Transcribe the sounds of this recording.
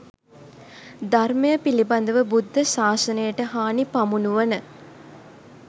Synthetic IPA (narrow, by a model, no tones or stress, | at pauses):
d̪arməjəpiliband̪əʋəbud̪ːəsaːsənəjəʈəɦaːnipamunuʋənə